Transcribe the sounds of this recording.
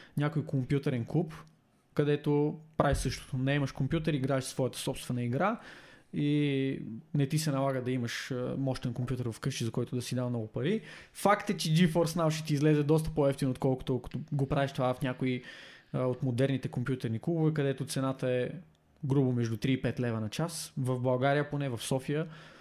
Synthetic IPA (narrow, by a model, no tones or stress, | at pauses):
nʲakojkʰompjut̪ɛɾɛnklˠup | kɐd̪ɛt̪opɾaviʃsɤʃt̪o̥t̪ʊnɛɛməʃkompʲjut̪ɛɾiɡɾaɛʃsvɔjət̪ə̥sɔpst̪vɛnəiɡɾa | i | nɛt̪isɛnɐlˠaɡəd̪ɐiməʃmɔʃt̪ɛnkompjut̪ɛɾvɐfkɤʃt͡ʃizɐkɔjt̪ʊd̪ɐsid̪avnɔɡʊpɐɾifakt̪ɛt͡ʃɛd͡ʒifɔɾsnavʃɛt̪iːzlɛzɛd̪ɔst̪ə̥poɛft̪inot̪kɔlˠkʊ̥t̪ʊlkʊ̥t̪oɡopɾavɛʃt̪ovafnʲakoi | ot̪mod̪ɛɾnit̪ɛkompjut̪ɛɾniklˠubovɛkɐd̪ɛt̪ʊt̪sɛnat̪əɛ | ɡɾubəmɛʒd̪ut̪ɾiːpɛt̪lɛvɐnɐt͡ʃasvɐvbɐlˠɡaɾijəponɛvɐfsɔfijə